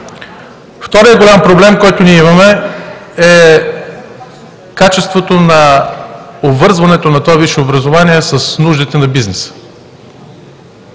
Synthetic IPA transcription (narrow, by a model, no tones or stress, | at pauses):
ft̪ɔɾijəɡolʲampɾoblɛmkɔjt̪ʊniɛimɐmɛ | ɛ | kat͡ʃɛst̪vot̪onɐ | obvɤɾzvɐnɛt̪onɐt̪oɔviʃɛobɾɐzovaniɛsɐsnuʒd̪it̪ɛnɐbiznɛsə̥